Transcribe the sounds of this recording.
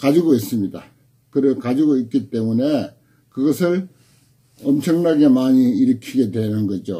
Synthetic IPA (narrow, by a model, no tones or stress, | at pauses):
kad͡ʑiɡois͈ɯmɲida | kɯɾɯɭkad͡ʑiɡoik͈it͈e̞mune̞ | kɯɡʌsʰɯɭ | ʌmt͡ɕʰʌŋnaɡe̞maɲiːɾɯkʰiɡe̞dwe̞nɯnɡʌd͡ʑo